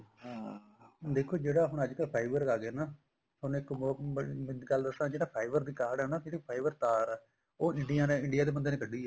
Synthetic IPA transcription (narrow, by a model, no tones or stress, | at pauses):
d̪eːkʰːoːd͡ʒeːɽaːɦʊɳ̃əd͡ʒkəlpʰaːɪbəɾaːɡeːnaː | ʊñɪk | ɡəld̪əsãːd͡ʒeːɽaːpʰaːɪbəɾd̪iːkaːɾɖɦɛːnaːeːiːpʰaːɪbəɾt̪aːɾɛː | oːɪ̃ɳɖijaːnẽːɪ̃ɳɖijaːd̪eːbənd̪eːneːkəɖːiːɛː